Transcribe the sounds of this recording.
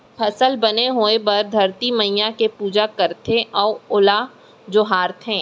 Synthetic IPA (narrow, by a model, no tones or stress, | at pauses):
pʰɐsəlbɐneɦoːebɐɾd̪ʱɐɾt̪imɐɦijakepuːd͡ʒakɐɾt̪eʔɔːʊla | d͡ʒoɦaːɾt̪ʰɦɛ̃ː